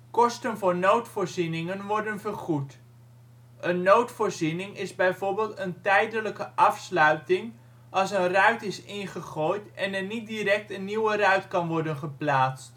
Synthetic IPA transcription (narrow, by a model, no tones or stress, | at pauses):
kɔstənvʊːɹnowtfoːɹzinɪŋənʋɔɹdənvərχut | ʔənːowtfoːɹzinɪŋɪzbɛjvoːɹbɪːlˠtəntɛjdələkəʔɑfslœɥtɪŋ | ʔɑlˠsənrœɥtɪsɪnχəχoːjtɛnɛnit̚diɾɛk̚tənːiwərœɥtkɑnʋɔɹdənχəplaːst